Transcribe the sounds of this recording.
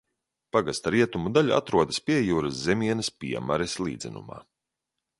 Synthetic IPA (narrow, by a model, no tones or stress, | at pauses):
paɡast̪aɾiɛt̪umud̪aʎʲua̰t̪ɾuɔd̪ɐspʲiɛjuːɾaszemiɛnɐspʲḭɛmaɾeslˠḭːd̪zʲɛnṵma̰ː